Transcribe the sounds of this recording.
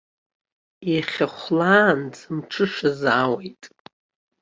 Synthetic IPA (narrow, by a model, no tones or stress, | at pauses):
iχʲaχʷlaːnd͡zɨmʈ͡ʂʰɨʂazaːwejtʼ